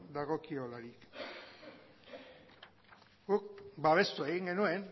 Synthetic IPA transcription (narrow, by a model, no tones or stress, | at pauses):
d̪aɣo̞kiolaɾik | ɡ̥ukbaβ̞e̞st̪ueɣiŋɡe̞nue̞n